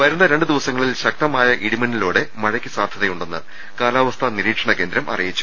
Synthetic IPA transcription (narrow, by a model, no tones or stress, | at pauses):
ʋɐjɾunːɐɾe̞ɳɖɨd̪iʋɐsɐŋːɐɭilɕɐk̚t̪ɐmaːjɐʔiɽimɐnːiloːɽe̞mɐɻɐkʲːɨsaːd̪ʱjɐðɐjuɳɖenːɨ̰ | kaːlaːʋɐst̪ʰɐniɾiːkʂɐɳɐke̞ːnd̪ɾɐmʔɐ̰rijit͡ɕːu̥